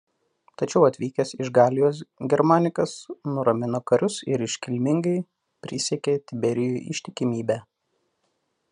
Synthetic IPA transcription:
t̪ɐt͡ʃʲɛʊɐt̪ʲʋʲiːkʲɛsɪʒɡɑːlʲɪjoːs̬ɡʲɛɾmaːnʲɪkɐsnʊɾɐmʲɪnɐkɐɾʲʊsɪɾɪʃʲkʲɪlʲmʲɪŋɡɐɪ | pʲɾʲɪsʲɛkʲet̪ʲɪbʲɛɾʲɪjuːʔɪ̰ʃʲt̪ʲɪkʲɪmʲiːbʲæː

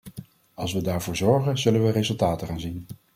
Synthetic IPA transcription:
ɑlˠsʋədaːɹvʊːɹzɔɹχənzɵlənʋəɾezɵlˠtaːtəχaːnzin

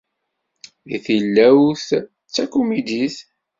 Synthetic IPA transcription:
iθilːæwθ | t͡sːækumid̪iθ

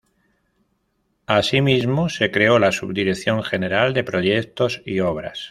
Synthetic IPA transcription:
asimizmo̞se̞kɾe̞o̞lasuβd̪iɾe̞θjo̞ŋxe̞ne̞ɾald̪e̞pɾo̞ʝe̞k̚t̪o̞sio̞β̞ɾa̰s

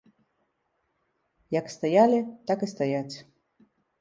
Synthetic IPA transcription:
jakst̪ajalʲit̪akɨst̪ajat͡sʲ

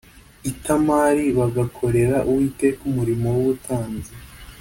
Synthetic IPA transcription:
itamaːɾiβaɡakʰo̞ɾe̞ɾaʔuwitekumuɾimo̞wuβutʰaːnze

